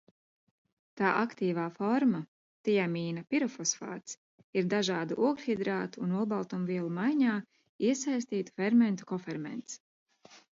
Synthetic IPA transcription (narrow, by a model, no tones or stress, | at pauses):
t̪aːʔakt̪iːvaːfɔɾma | t̪ijamiːnɐpiɾɔfɔsfa̰ːt̪s | iɾd̪aʒaːd̪uʔuɔɡʲhid̪ɾaːt̪uːnulˠbalˠt̪ɔmviɛlˠumajɲaː | iɛsajst̪iːt̪u̥fɛɾmɛnt̪u̥kɔfɛɾmɛ̰nt̪s